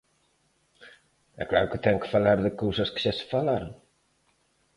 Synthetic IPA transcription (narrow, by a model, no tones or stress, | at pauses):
ɛ̰klaɾʊkət̪ɛŋkə̥falaɾðəkowsɐskə̥ʒasə̥falaɾoŋ